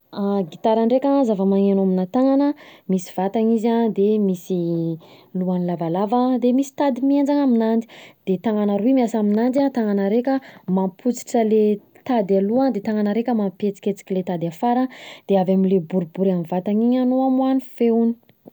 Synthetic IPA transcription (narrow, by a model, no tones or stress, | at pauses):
aɡit̪aɾaɳɖ͡ʐekʲazavəmaŋenaminat̪aŋanəmisi̥v̥at̪aŋizad̪emisi | luanilavalavad̪emisi̥t̪ad̪imiend͡ʒaŋaminani̥d̪̥et̪aŋanaɾuimiasaminand͡ʒ̪at̪aŋanəɾekʲəmampʰut͡si̥ʈ͡ʂəle | t̪ad̪aluad̪et̪aŋanəɾekʲəmampet͡si̥kʲet͡si̥kʲilet̪ad̪afaɾəd̪̥eavamilebuɾibuɾamivat̪aŋiɲanoamuanifeuni̥